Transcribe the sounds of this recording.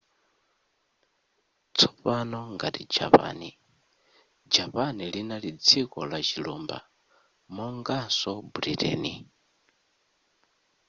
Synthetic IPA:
t͡sʰɔ̥panɔŋɡatid͡ʒa̰pa̰ːni | d͡ʒapanilinalid͡zikɔlat͡ʃilumba̰ | mɔŋɡasɔbuɾitɛ̰ːni

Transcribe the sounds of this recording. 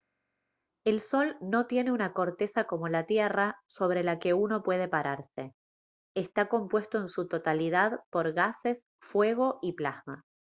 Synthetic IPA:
e̞lso̞lno̞t̪je̞ne̞unako̞ɾt̪e̞sako̞mo̞lat̪jeraso̞β̞ɾe̞lake̞uno̞pwe̞ð̞e̞paɾaɾse̞ | est̪ako̞mpwe̞st̪o̞ensut̪o̞t̪alið̞aðpo̞ɾɣase̞s | fwe̞ɣo̞ʔiplasma

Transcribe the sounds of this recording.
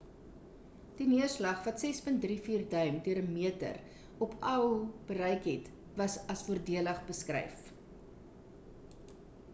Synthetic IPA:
d̥iniərslɐχvɐtsɛspənt̚drifiːrdœɥmdyəɾəmiətə̰r | ɔpɐwb̥əɾɛjkɦɛt | vɐsɐsfuərdiələχbəskrɛ̰jf

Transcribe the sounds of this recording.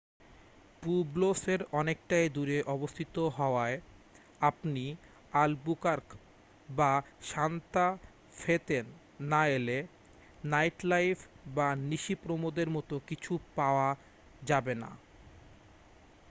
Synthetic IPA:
publoseɾɔnek̚ʈajd̪uɾeʔɔbost̪ʰit̪oɦɔoae | apni | albukaɾk | baʃant̪a | fet̪enː | aele | najʈlajfʰ | baniʃipɾomod̪eɾmɔt̪okit͡ɕʰupaoa | d͡ʑabena̰

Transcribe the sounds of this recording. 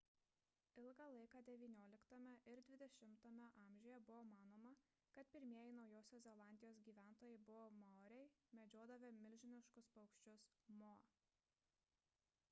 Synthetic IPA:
ɪlˠɡɑlˠɐɪkɑːd̪ʲɛʋʲiːnʲoːlʲɪkt̪ɐmʲɛʔɪɾd̪ʲʋʲɪd̪ʲɛʃʲɪmt̪oːmʲɛʔɑːˑmʲʒʲʊːjɛbʊʋoːmɑːnoːmɐ | kɐt̪̚pʲɪɾʲmʲiɛjɛɪnɒʊjoːsʲoːszʲɛlˠɑˑnʲd̪ʲɪjoːs̬ɡʲiːʋʲæˑnt̪oːjɛɪbʊʋoːmoɾʲɛɪmʲɛd͡ʒʲoːd̪ɐʋʲɪmʲɪlʲʒʲɪnʲɪʃkʊspɐʊkʃʲt͡ʃʲʊsmoː

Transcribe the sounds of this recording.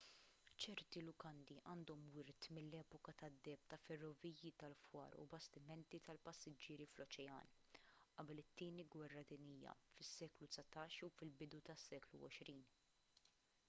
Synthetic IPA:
t͡ʃɛɾt̪ilʊkɐnd̪iʔɐːnd̪ɔmwɪɾt̪mɪlːɛːpɔkɐt̪ɐd̪ːɛːp̚t̪ɐfɛrːɔviːjit̪ɐlfwɐ̰ːɾṵbɐst̪ɪmɛnt̪it̪ɐlpɐsːɪd͡ʒɪːɾiflɔt͡ʃɛjɐ̰ːnʔɐbɛlɪt̪ːɪːniɡwɛrːɐd̪ɪniːjɐ̰fɪsːɛːklut̪sɐt̪ɐːʃufɪlbɪd̪ut̪ɐsːɛːklṵɔ̰ʃɾiːn

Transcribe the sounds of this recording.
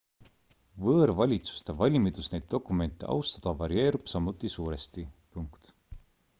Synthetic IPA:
vɤːɾvɑlʲit̪su̥st̪evɑlʲmid̪usne̞jd̪̥̚ːo̞kˑume̞nʲt̪ːˑe̞ʔɑ̰wst̪ɑ̥d̪̥ɑvɑɾie̞ːɾub̥sɑmut̪ːˑisuːɾe̞st̪ipuŋkt̪

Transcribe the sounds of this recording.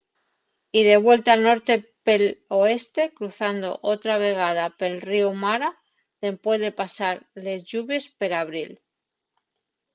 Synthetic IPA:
iðe̞β̞we̞lt̪alno̞ɾt̪e̞peloe̞st̪e̞kɾuθand̪o̞̰ʔot̪ɾaβe̞ɣ̞að̞ape̞lriumaɾa | ðe̞mpwe̞zðe̞pasaɾle̞zʎuβje̞speɾaβɾil

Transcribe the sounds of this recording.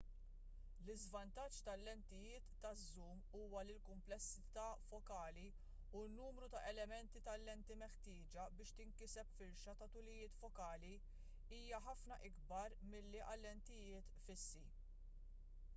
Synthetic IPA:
lɪzvɐnt̪ɐt͡ʃːt̪ɐlːɛnt̪ɪjɪːt̪ːɐzːuːm | uːwɐlilkʊmplɛsːɪt̪ɐːfɔkɐːli | unːuːmɾut̪ɐʔɛlɛmɛnt̪it̪ɐlːɛnt̪imɛħt̪ɪːd͡ʒɐbɪːʃt̪ɪŋkɪsɛpfɪɾʃɐt̪ɐt̪ʊlɪjɪːt̪fɔkɐːli | iːjɐħɐfnɐʔɪɡbɐɾmɪlːiʔɐlːɛnt̪ɪjɪːt̪fɪsːi

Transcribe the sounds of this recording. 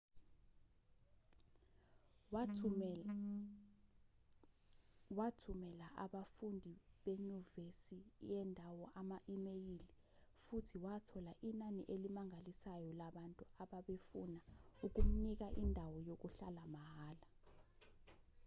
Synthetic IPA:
watʰumɛlaʔaɓafundʱiɓeɲuvesijɛndʱawɔʔamaʔimejili | futʰiwatʰɔlaʔinaniʔelimaŋʱalisajɔlaɓantʼuaɓaɓefunauk̬um̩nik̬aʔindʱawɔjok̬uɬalamahaːla

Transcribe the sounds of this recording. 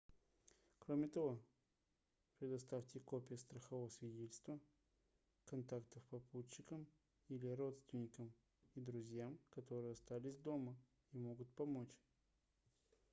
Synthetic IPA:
kɾomʲɪt̪ɐvo̞ | pɾʲɪd̪ɐst̪aftʲɪko̞pʲɪjəst̪ɾəxɐvovəsvʲɪdʲetʲɪlʲst̪və | kɐnt̪akt̪əfpɐput͡ɕːɪkəm | ilʲɪɾo̞t̪st̪vʲɪnʲɪkəm | id̪ɾʊzʲjamkɐt̪o̞ɾɨjəɐst̪alʲɪsʲd̪o̞mə | imo̞ɡʊt̪̚pɐmot͡ɕ

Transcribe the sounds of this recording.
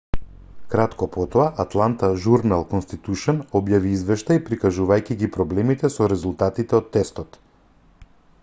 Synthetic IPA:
kɾat̪kɔpɔt̪ɔaʔːt̪lˠant̪aʒuɾnalˠkɔnst̪it̪uʃɔnɔbjaviizvɛʃt̪aipɾikaʒuvajcʲiɡipɾɔblɛmit̪ɛsɔɾɛzulˠt̪at̪it̪ɛɔt̪ːɛst̪ɔt̪

